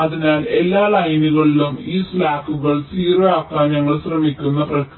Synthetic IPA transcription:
ɐðinaːle̞lːaːlɐjnuɣɐɭilumiːslaːkːuɣɐɭsiːrɐaːkːaːmɲɐŋːɐɭɕrɐmikʲːunːɐprɐk

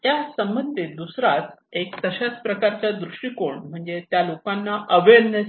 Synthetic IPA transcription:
t̪jasəmənt̪ed̪usɾat͡sek̚t̪əɕat͡spɾəkaɾt͡ɕjad̪ɾuʂʈikoɳm̤əɳd͡zet̪jalokanːaʔəʋednə

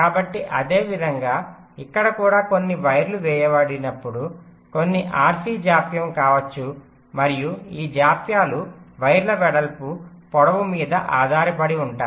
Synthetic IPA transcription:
kaːbɐʈːiʔɐd̪e̞ːʋid̪ʱɐŋɡaː | ikːɐɽɐkuːɽaːko̞nːiʋɐjɾluʋɛːjɐʋɐɽinɐpːuɽu | ko̞nːiʔaːɾsiːd͡ʒaːpjɐmkaːʋɐt͡ʃːu | mɐɾijuiːd͡ʒaːpjaːluʋɐjɾlɐʋɛɽɐlpupɔɽɐʋumiːd̪ɐʔaːd̪ʱaːɾɐpɐɽiuɳʈaː

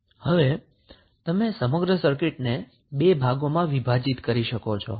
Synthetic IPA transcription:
həʋe | t̪əmesəməɡɾəsəɾkɪʈne | bebʱaɡomãʋibʱad͡ʒit̪kəɾiʃəkot͡ʃʰo̰

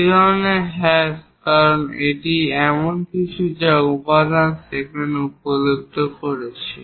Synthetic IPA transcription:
ed̪ʱɔɾoneɦɛs | kaɾoneʈiɛmonkiʃʰud͡ʑaupad̪ansekenupolok̚t̪okoɾet͡ɕʰe

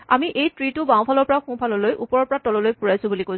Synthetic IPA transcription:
amiʔejtɹitʊbãw̃pʰalɔɹpɔɹaxũpʰalɔlojʔupɔɹɔɹpɔɹatɔlɔlojpuɹajsʊ̃bulikoj

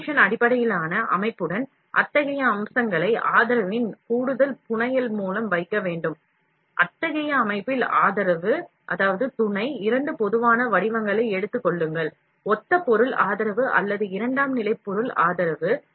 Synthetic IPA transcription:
ʂɐnɐɽɪpːɐɽɐjɪlaːnɐʔɐ̰mɐɪpːɯɽɐn | ʔɐ̰t̪ːɐɣɐjɐːmsɐŋɡɐɭɐɪʔaːðɪɾɐʋɪnkuːɽɯðɐlpʊɳɐjɪlmuːlɐmʋɐɪkːɐʋeːɳɖɯm | ʔɐt̪ːɐɣɐjɐːmɐɪpːɪla̰ːðɐɾɐʋɯ | ʔɐðaːʋɐðɯt̪ʊɳɐɪɪɾɐɳɖɯpɔðɯʋaːnɐʋɐɽɪʋɐŋɡɐɭɐɪɛɽɯt̪ːɯkːɔɭːɯŋɡɐɭ | ɔt̪ːɐpːɔɾɯlaːðɐɾɐʋɯʔɐ̰lːɐðɯɪɾɐɳɖaːmnɪlɐɪpːɔɾɯla̰ːðɐɾɐʋɯ

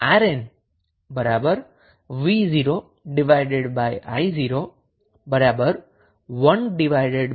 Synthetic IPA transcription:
aɾen | bəɾabəɾ | ʋiziɾo | ɖɪʋajɖeɖbajʔa̰jziɾo | bəɾabəɾ | ʋənɖɪʋaɪɖeɖ

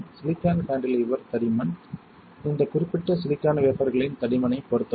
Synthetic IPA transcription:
sɪlɪkːaːnkaːɳɖɪliːʋɐɾt̪ɐɽɪmɐn | ɪnd̪ɐkʊrɪpːɪʈːɐsɪlɪkːaːnɐʋeːpɐɾɣɐɭɪnt̪ɐɽɪmɐnɐɪpːɔɾɯt̪ːɐ

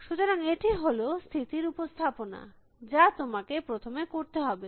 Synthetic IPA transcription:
ʃut̪oɾaŋeʈiɦolost̪ʰit̪iɾupost̪ʰapona̰ | d͡ʑat̪omakepɾot̪ʰomekoɾt̪eɦɔbe

